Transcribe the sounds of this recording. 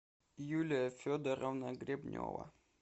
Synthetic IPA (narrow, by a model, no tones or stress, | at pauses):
julʲɪjəfʲod̪əɾəvnəɡɾʲɪbnʲo̰və̰